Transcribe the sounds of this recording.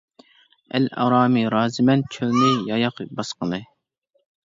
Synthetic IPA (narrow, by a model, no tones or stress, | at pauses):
ɛ̰lɑ̰ɾɑːmiɾɑːzɨmɛnt͡ʃʰølnɪjɑjɑqbɑsqəlˠɨ